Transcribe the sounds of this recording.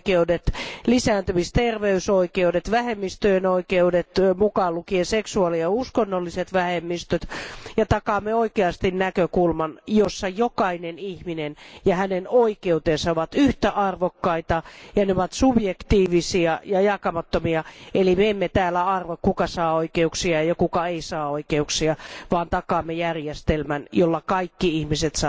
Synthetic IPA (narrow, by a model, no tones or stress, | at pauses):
keudet̪lisæːnt̪ymist̪erʋeysoikeudet̪ʋæhemːist̪øenoikeudet̪mukɑːlukieseksuɑliɑuskonːolːiset̪ʋæhemːist̪øt̪jɑt̪ɑkɑmːeoikeɑst̪innækøkulmɑnjosːɑjokɑinenihminenjɑhænenoikeut̪eːnsɑoʋɑt̪yht̪æʔɑrʋokːɑit̪ɑjɑneoʋɑt̪subjekt̪iːʋisiɑjɑjɑkɑmɑt̪ːomiɑelimeemːet̪æːlːæɑrʋokkukɑsɑːoikeuksiɑjɑkukɑeisɑːoikeuksiɑʋɑːnt̪ɑkɑːmːejærjest̪elmænjolːɑkɑikːiihmiset̪sɑ